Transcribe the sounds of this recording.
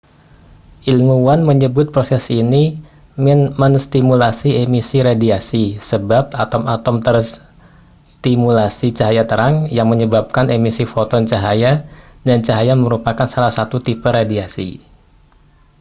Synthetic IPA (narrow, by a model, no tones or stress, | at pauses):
ʔilmuwanməɲəbʊt̪̚pɾosɛsini | mmənst̪imulasiemisiɾadiasisəbap̚at̪ɔmat̪ɔmt̪ərs | t̪imulasit͡ʃaɦajat̪əɾaŋjaŋməɲəbap̚kanemisifot̪ɔnt͡ʃaɦajadant͡ʃaɦajaməɾupakansalahsat̪ut̪ipəradiasḭ